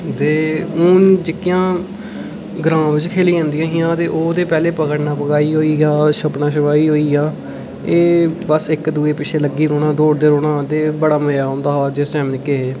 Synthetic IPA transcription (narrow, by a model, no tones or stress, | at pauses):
t̪eːuːnd͡ʒɪkːɪjãː | ɡɾãːʋɪt͡ʃkʰeːliːãːnd̪ijãːɦɪ̃jãːt̪eːʔoːd̪eːpɛːleːpəkəɽnaːpəkaːiːɦoːiːaːʃəpnãːʃəʋaːiːɦoːiːaː | eːbəsɪkd̪uːeːpɪʃʰeːləɡːiːɾoːɽãːd̪oːɽd̪eːɾoːɽaːt̪eːbəɽaːməjaːɦõːnd̪aːɦːd͡ʒɪsʈɛ̃ːmnɪkːeɦeː